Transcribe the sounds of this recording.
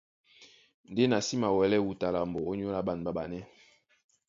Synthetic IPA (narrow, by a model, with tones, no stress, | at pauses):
n̩˨de˦na˨si˦ma˨wɛ˨lɛ˦wu˨ta˨la˨mbɔ˨o˦ɲ˦o˦la˦ɓa˨n˨ba˦ba˨nɛ˦